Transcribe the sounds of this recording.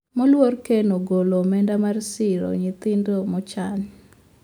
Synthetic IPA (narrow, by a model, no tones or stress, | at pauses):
mɔlworkenoɡolomɛndamarsɪɾo̰ɲɪt̪ɪndomɔt͡ʃaɲ